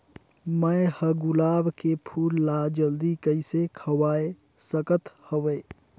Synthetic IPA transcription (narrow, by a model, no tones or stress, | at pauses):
məjhəɡʊlaːbkepʰuːlːad͡ʒəld̪ikəisekʰəwaːe | səkət̪həʋeː